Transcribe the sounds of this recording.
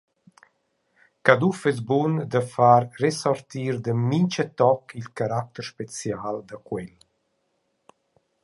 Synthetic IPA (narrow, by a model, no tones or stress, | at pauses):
kad̪ufəz̬bund̪əfaɾresɔɾt̪iːɾd̪əmiɲt͡ʃət̪ɔkʰilkaɾak̚t̪əɾʃpet͡sjald̪əkwɛl